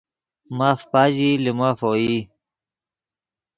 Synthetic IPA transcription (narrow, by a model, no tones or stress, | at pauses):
mafpaʑilimaːfoːi